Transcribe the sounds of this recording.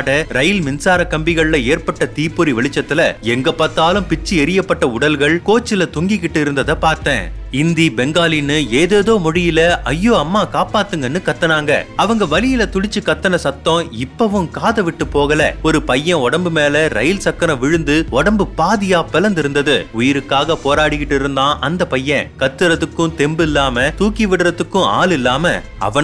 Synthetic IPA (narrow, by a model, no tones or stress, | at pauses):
aɽɐɾɐjɪlmɪnsaːɾɐkɐmbɪɣɐɭlɐeːɾpɐʈːɐt̪iːpːɯɾiʋɛɭɪt͡ʃːɐt̪ːɪlɐ̰ɛŋɡɐpːɐɾt̪ːaːlɯmpɪt͡ʃːiɛɾɪjɐpːɐʈːɐʊɽɐlɣɐɭkoːt͡ʃːɪlɐt̪ʊŋɡɪkːɪʈːɯɪɾɯnd̪ɐðɐpaːɾt̪ḛ̃ː | ɪnd̪ibɛŋɡaːlinːɯeːðeːðoːmʊɻɪjɪlɐɐjːoːɐmːaːkaːpaːt̪ːɯŋɡɐnːɯkɐt̪ːɐnaːŋɡɐ̰ɐʋɐŋɡɐʋɐlɪjɪlɐt̪ʊɻɪt͡ʃːɯkɐt̪ːɐnɐsɐt̪ːõːɪpːɐʋɯ̃mkaːðɐʋɪʈːɯpːoːɣɐlɐ̰ɔɾɯpɐjːɐ̃ɔɽɐmbɯmeːlɐɾɐ̰jɪlsɐkːɐɾɐ̃ʋɪɻɯnd̪ɯɔɽɐmbɯpaːðɪjaːpɛlɐnd̪ɪɾɯnd̪ɐðɯʊjɪɾɯkːaːɣɐpoːɾaːɽɪkːɪʈːɯɪɾɯnd̪ãːʔɐnd̪ɐpɐjːɐ̃kɐt̪ːɯɾɐðɯkːʊ̃t̪ɛmbɪlːaːmɐt̪uːkiʋɪɽɾɐðɯkːʊ̃a̰ːlɪlːaːmɐ̰ | ɐ̰ʋɐ